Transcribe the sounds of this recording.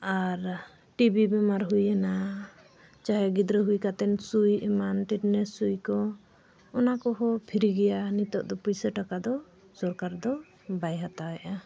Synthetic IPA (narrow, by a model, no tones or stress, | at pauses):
aɾ | ʈibibɛmaɾɦujana | t͡ʃaɦɛɡid̪ɾəɦujkat̪ɛnsujɛmanʈiʈnɛsujkɔ | ɔnakɔɦɔpʰiɾiɡɛjanit̪ɔʔd̪ɔpujsəʈakad̪ɔ | sɔɾkaɾd̪ɔ | bajɦat̪awɛʔa